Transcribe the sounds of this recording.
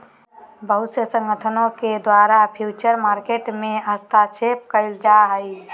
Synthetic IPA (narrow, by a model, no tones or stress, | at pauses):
bəɦʊt̪sjəsə̃ŋɡət̪ʰənõked̪waɾapʰjut͡ʃəɾmaɾkeʈmẽəst̪ʰat͡ʃʰep̚kəɪld͡ʒaɦəj